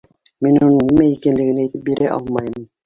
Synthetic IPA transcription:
minunɤɴnimæikænlɘ̆ɡɘ̆næjt̪ɘp̚biɾʔæʔɑ̰lˠmɑjɤm

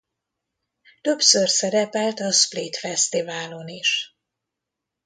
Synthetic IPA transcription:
t̪ø̞psørsɛɾɛpɛlt̪ɒsplit̪fɛst̪ivaːlo̞niʃ

